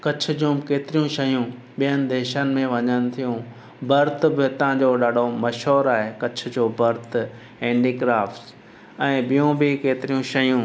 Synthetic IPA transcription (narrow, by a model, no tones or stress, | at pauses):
kɐt͡ɕʰʊ̆d͡ʑũkeːt̪ɪɾijũʃɐjũ | ɓijənɪ̆d̪eːʃənɪ̆mẽʋɐɲənɪ̆t̪ʰijũ | bɐɾt̪̆bɪt̪ɐɦãd͡ʑoːɗaːɖʱomɐʃɦoːɾaːɦekɐt͡ɕʰʊ̆d͡ʑoːbɐɾt̪ʰ | ẽːɳɖiːɡɾaːfs | ɛ̃ːɓijũbɪkeːt̪ɪɾijũʃɐjũ